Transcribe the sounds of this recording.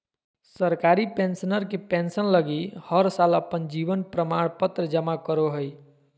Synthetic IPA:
səɾkaɾipẽnsnəɾkepẽnsənləɡihəɾsaləpənd͡ʒiʋənpɾəmaɽ̃pət̪ɾəd͡ʒəmakəɾoɦəj

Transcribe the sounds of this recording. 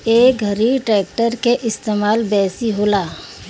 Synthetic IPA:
eːk̚ɡʱɐɾiʈɾɛːk̚ʈəɾkeʔɪst̪eːmaːlbɛːsiɦoːlaː

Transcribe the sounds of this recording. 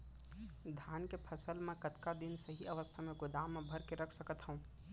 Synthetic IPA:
d̪ʱjaːnkepʰəsəlmẽkət̪kad̪insəɦiʔəʋəst̪ʰamẽɡʊd̪amːẽbʱəɾkeɾəkʰsəkət̪ɦəũ

